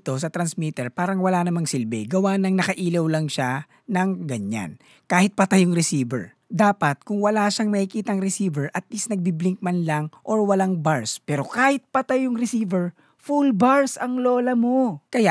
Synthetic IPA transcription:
t̪o̞sɐt̪ɾɐnsmit̪ɛɹpaːɾɐŋwɐlanɐmaŋsilbɛɡɐwanɐŋnɐkɐʔiːlɐwlɐŋʃa | nɐŋɡɐɲa̰n | kaːhɪt̪̚pɐt̪ajʊŋɾɛsiːbɛ̰ɹ | d̪aːpɐt̪̚kʊŋwɐlaːʃaŋmɐkɪkiːt̪ɐŋɾɛsiːvɛɹʔɐt̪̚lisnɐɡ̚biblɪŋk̚manlaŋʔoɹwɐlaŋbaɹspɛːɾo̞kaːhɪt̪̚pɐt̪ajʊŋɾɪsiːvɛɹ | fulbaɹsɐŋloːlɐmokɐja

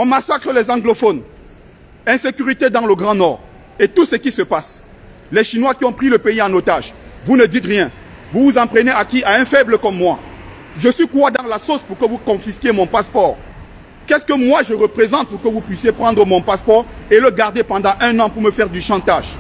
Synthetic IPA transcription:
ɔ̃masakχəlɛzɑ̃ɡlofɔn | ɛ̃sekyʁit̪ed̪ɑ̃ləɡʁɑ̃nɔʁ | et̪usəkʲisəpas | lɛʃinwakʲiɔ̃pχiləpeiɑ̃not̪aʒvunəd̪it̪ʁjɛ̃ | vuvuzɑ̃pχeneakʲiʔaɛ̃fɛbləkɔmːwa | ʒəswikwad̪ɑ̃lasospuʁkəvukɔ̃fiskʲjemɔ̃paspɔːʁ | kɛskəmwaʒəʁəpχezɑ̃t̪̚puʁkəvupɥisjepχɑ̃d̪ʁəmɔ̃paspɔʁeləɡaʁd̪epɑ̃d̪ɑ̃ʔɛ̃nɑ̃puʁməfɛʁd̪yʃɑ̃t̪aʒ

